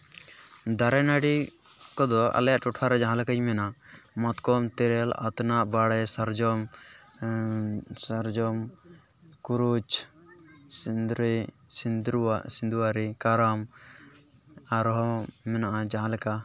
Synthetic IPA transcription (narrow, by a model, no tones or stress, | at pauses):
d̪aɾɛnaɽikɔd̪ɔa̰ljaʔʈɔʈʰaɾɛd͡ʒãɦãlɛkajmɛnamat̪kɔmt̪ɛɾɛla̰t̪naʔbaɽɛsaɾd͡ʒɔm | saɾd͡ʒɔm | kuɾud͡ʒ | sind̪ɾɛsind̪ɾuwaʔsind̪uwaɾikaɾam | aɾɦɔmɛnaʔad͡ʒaɦãlɛka